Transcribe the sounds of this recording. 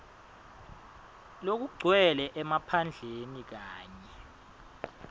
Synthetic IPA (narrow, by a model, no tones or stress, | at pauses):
lok̬uɡ͡ǀʱwɛlɛʔɛmapʰand͡ɮʱenik̬aːɲɛ